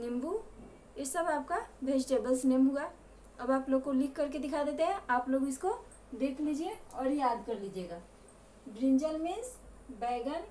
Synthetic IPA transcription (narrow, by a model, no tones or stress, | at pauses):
nɪ̃mbu | jesɐbaːp̚kabʱeːʃʈeːbəlsneːmɦoaː | ɐbaːploːɡ̚kolikːɐɾked̪ɪkʰad̪eːt̪eɦɛ̃aːploːɡɪsko | d̪eːkʰliːd͡ʒieɔːɾjaːd̪kɐɾliːd͡ʒieːɡaː | bɾɪ̃ɲd͡ʒəlmesbɛːɡən